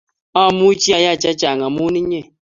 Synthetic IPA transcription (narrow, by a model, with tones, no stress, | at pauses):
a˦˨mu˦t͡ʃi˦a˨ja˦˨t͡ʃa˦t͡ʃa˨ŋa˨mu˦ni˦ɲɛ˦˨